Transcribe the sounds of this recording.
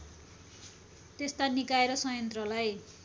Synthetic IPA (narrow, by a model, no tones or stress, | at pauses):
t̪est̪anikaeɾʌsʌjʌnt̪rʌlaj